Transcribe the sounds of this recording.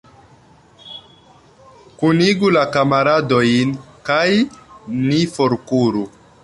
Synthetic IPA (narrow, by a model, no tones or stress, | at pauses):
kuniɡulakamaɾadojnkajnifoɾkuɾu